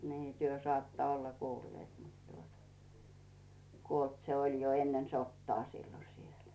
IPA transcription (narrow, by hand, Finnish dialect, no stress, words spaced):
niː tyø sɑːtːɑ olːɑ kuːlːeːt mut tuotɑ kuolt se olʲ jo enːen sotːɑː silːo siel